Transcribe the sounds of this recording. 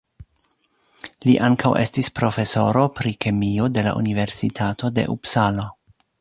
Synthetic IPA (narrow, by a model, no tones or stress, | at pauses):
liʔaŋkʰawʔe̞̰stispɾo̞fe̞so̞ɾo̞pɾikʰemio̞de̞la̰ʔṵnive̞ɾsitʰatʰo̞de̞̰ʔupsalo